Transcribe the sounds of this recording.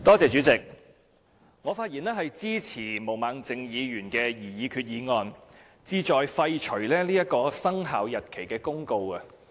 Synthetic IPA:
t̪ɔː˥t͡sɛː˨˧t͡ʃyː˨˥t͡sɪ˨˩k̚ | ŋɔː˨˧faː˧t̚jiː˨˩nɛː˥ɦɐ˨jt͡siː˥t͡sʰiː˨˩mo˨˩wmaː˨˧ŋt͡sɪ˨˧ŋjiː˨˧jyː˨˩nkɛː˧jiː˨˩jiː˨˧kʰyː˧t̚jiː˨˧ŋɔː˧n | t͡siː˧t͡ʃɔː˨jfɐ˧jt͡ʃʰɵ˨˩ɥlɛː˥liː˥jɐ˥t̚kɔː˧sɐ˥ŋɦaː˨˥wjɐ˨t̚kʰe˨˩jkɛː˧kʊ˥ŋko˧wɐ˧

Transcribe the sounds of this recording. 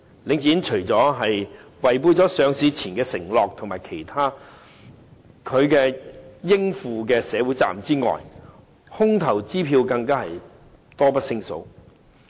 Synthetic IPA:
lɪ˨˧ŋt͡siː˨˥nt͡ʃʰɵ˨˩ɥt͡sɔː˨˥ɦɐ˨jwɐ˨˩jp̬uː˧jt͡sɔː˨˥sœː˨˧ŋsiː˨˧t͡sʰiː˨˩nkɛː˧sɪ˨˩ŋlɔː˨k̚t̪ʰʊ˨˩ŋmaː˨˩jkʰe˨˩jt̪ʰaː˥ | kʰɵ˨˧ɥkɛː˧jɪ˥ŋfuː˨˧k̬ɛː˧sɛː˨˧wuː˨˥jt͡sa̰ː˨mt͡siː˥ŋɔ̰ː˨j | hʊ˥ŋt̪ʰɐ˨˩wt͡siː˥pʰiː˧wkɐ˧ŋkaː˥hɐ˨j | t̪ɔː˥pɐ˥t̚sɪ˥ŋso̰˨˥w

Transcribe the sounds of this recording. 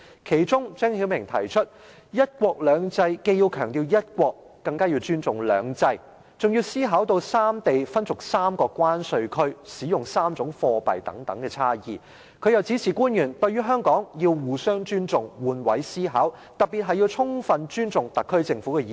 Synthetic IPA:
kʰe˨˩jt͡sʊ˥ŋt͡sɛː˥ŋhiː˨˥wmɪ˨˩ŋt̪ʰɐ̰˨˩jt͡ʃʰɵ˥t̚ | jɐ˥t̚kʷɔː˧k̚lœː˨˧ŋt͡sɐ˧jke˧jiː˧wkʰœː˨˩ŋt̪iː˧wjɐ˥t̚kʷɔː˧kːɐ˧ŋkaː˥jiː˧wt͡ʃyː˥nt͡sʊ˨˩ŋlœ̰ː˨˧ŋt͡sɐ˧j | t͡sʊ˨˩ŋji˧wsiː˥ɦaː˨˥wt̪o˧wsaː˥mt̪e˨jfɐ˥nt͡sʊ˨˩k̚saː˥mkɔː˧kːwaː˥nsɵ˧ɥkʰɵ˥ɥsiː˨˥jʊ˨˩ŋsaː˥mt͡sʊ˨˧˥ŋfɔː˧pɐ̰˨˩jt̪ɐ̰˨˥ŋt̪ɐ˨˥ŋkɛː˧t͡sʰaː˥jḭː˨˩ | kʰɵ˨˧ɥjɐ˨˩wt͡siː˨˥t͡sʰiː˨˩kuː˥njyː˨˩nt̪ɵ˧ɥyː˥ɦœː˥ŋkɔː˨˥ŋji˧wwuː˨˩sœː˥ŋt͡ʃyː˥nt͡sʊ˨ŋwuː˨˧nwɐ˨˥jsiː˥ɦa̰ː˨˥w | t̪ɐ˨t̚pːi˨t̚ɦɐ˨jiː˧wt͡sʰʊ˥ŋfɐ˨˧nt͡ʃyː˥nt͡sʊ˨ŋt̪ɐ˨kʰːɵ˥ɥt͡sɪ˧ŋfuː˨˥kɛ˧jiː˨

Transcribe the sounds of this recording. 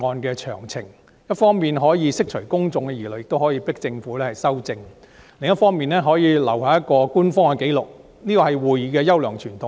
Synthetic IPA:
ɔː˧nkɛː˧t͡ʃʰœ̰ː˨˩ŋt͡sʰɪ˨˩ŋ | jɐ˥t̚fɔː˥ŋmiː˨nɦɔː˨˥jiː˨˧sɪ˥k̚t͡ʃʰɵ˨˩ɥkʊ˥ŋt͡sʊ˨ŋkɛ˧jiː˨˩ljkt̪o˥wɦɔː˨˥jiː˧pɪ˥k̚t͡sɪ˧ŋfuː˨˥lɛː˥hɐ˨jsɐ˥wt͡sɪ˧ŋ | lɪ˨˩ŋjɐ˥t̚fɔː˥ŋmiː˨nɛː˥ɦɔː˨˥jiː˨˧lɐ̰˨˩wɦaː˨˥jɐ˥t̚kɔː˧kuː˥nfɔː˥ŋkɛ˧ke˨˥jlʊ˨k̚ | niː˥kɔː˧hɐ˨jwuː˨˩jiː˨˧kɛː˧jɐ˥wlœː˨˩ŋt͡ʃʰyː˨˩nt̪ʰʊ˨

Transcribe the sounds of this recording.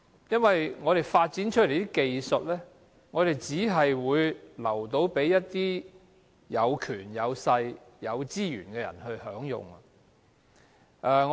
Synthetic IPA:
jɐ˥nwɐ˨jŋɔː˨˧ɾe˨jfaː˧t̚t͡siː˨˥nt͡ʃʰɵ˥t̚le˨˩j̪i˥ke˧jsɵ˨t̚lɛː˥ | ŋɔː˨˧ɾe˨jt͡siː˨˥ɦɐ˨jwuː˨˧jlɐ˨˩wt̪o˨˧wpe˨˥jːɐ˥t̚t̪iː˥ | jɐ˨˧wkʰyː˨˩njɐ˨˧wsɐ˧j | jɐ˨˧wt͡siː˥jy̰ː˨˩nkɛː˧jɐ̰˨˩nhɵ˧ɥhœː˨˥ŋjʊ̰˨˩ŋɐ˧ | ʔɛ˨˧ŋ

